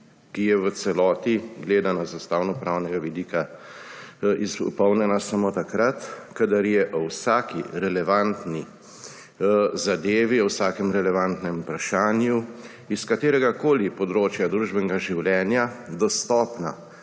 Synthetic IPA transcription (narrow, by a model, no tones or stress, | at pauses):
kijɛʋət̪sɛlɔːt̪iɡleːd̪anazast̪aːwnɔpɾaːwnɛɡaʋid̪ika | ipɔwnɛnasamot̪akɾat̪kad̪aɾjɛʔɔwsaːkiɾɛlɛʋant̪ni | zad̪eːʋiɔwsaːkɛmɾɛlɛʋant̪nɛmpɾaʃaːnju | iskat̪eːɾɛɡakoːlipɔd̪ɾoːt͡ʃjad̪ɾuːʒbɛnɡaʒiwlʲɛːnjad̪ɔst̪ɔːpna̰